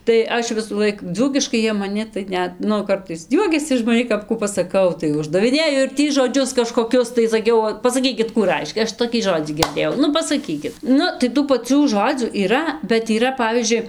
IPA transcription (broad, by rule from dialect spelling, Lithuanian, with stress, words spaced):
tɐɪ ˈɐʃ ʋʲɪsuːˈlˠɐɪk ˈd͡zuːkʲɪʃkɐɪ ˈjiɛ mɐˈnʲɪ tɐɪ ˈnʲɛt ˈnʊ ˈkɐrtɐɪs ˈjuɔkʲɛsʲɪ ɪʃ mɐˈnʲiː kɐp ˈkuː pɐsɐˈkɐʊ ˈtɐɪ ʊʒdɐʋʲɪˈnʲeːjʊ ɪr ˈtʲiː ʒoːˈd͡ʒʲʊs kɐʃkoːˈkʲʊs tɐɪ sɐˈkʲɛʊ pɐsɐˈkʲiːkʲɪt ˈkuː ˈrɐɪʃʲkʲɛ ˈɐʃ toːˈkʲiː ˈʒoːd͡zʲiː ɡʲɪrʲˈdʲeːjɛʊ ˈnʊ pɐsɐˈkʲiːkʲɪt ˈnʊ tɐɪ ˈtuː pɐˈt͡sʲuː ˈʒoːd͡zʲuː iːˈrɐ bʲɛt iːˈrɐ ˈpɑːʋʲiːzʲd͡ʒʲʊɪ